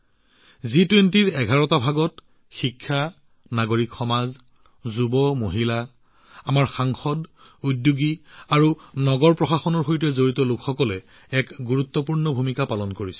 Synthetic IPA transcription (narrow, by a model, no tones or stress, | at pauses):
zitwentiɹɛɡʱaɹɔtabʱaɡɔt | xikʰːa | naɡoɹikxɔmaz | zubɔmoɦila | amaɹxaŋxɔd | udjuɡiaɹunɔɡɔɹpɹɔxaxɔnɔɹxojtɛzoɹitɔlukʰxɔkɔlɛ | ɛkɡuɹut̪ːɔpuɹnɔbʱumikapalɔnkoɹisɛ̥